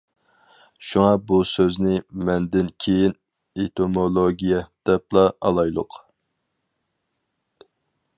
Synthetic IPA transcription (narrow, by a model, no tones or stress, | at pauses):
ʃuŋɑbusøznɪmɛnd̪ɪnkʲʰejin | et̪ʰomolˠoɡʲijɛd̪̥ɛplˠɑɑ̰lˠɑjlˠʊ̰q